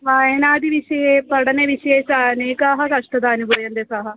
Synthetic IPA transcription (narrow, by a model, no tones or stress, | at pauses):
ʋaːenaːd̪iːʋɪʃepəɽneːʋɪʃesaneːkaːɦaɾaʃʈəd̪aːnɡoːjənd̪esaːɦa